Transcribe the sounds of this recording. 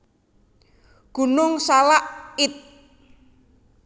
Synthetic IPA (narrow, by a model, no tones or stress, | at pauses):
ɡ̥ṳnʊŋsalaʔɪt̪̚